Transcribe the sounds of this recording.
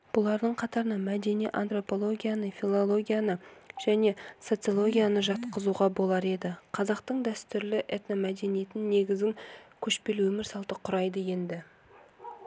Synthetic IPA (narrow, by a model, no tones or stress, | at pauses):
b̥ʊlˠɑɾd̪əɴqʰɑt̪ɑɾənɑmæd̪e̞niʔa̰nt̪ro̞po̞lˠo̞ɡʲijanəfʲilˠo̞lˠo̞ɡʲijanəʒ̥æne̞so̞t̪sɨo̞lˠo̞ɡʲijanəʒɑt̪qəzuʁɑbo̞lˠɑɾe̞d̪ɪqʰɑzɑqt̪əɴd̪æst̪ʏɾlɪʔet̪nomæd̪e̞nije̞t̪ɪnːe̞ɡʲɪzɡʲɪŋkʲʰɵʃpe̞lwɵmɪɾsɑlˠt̪əqʰʊɾɑjd̪əje̞nd̪ɪ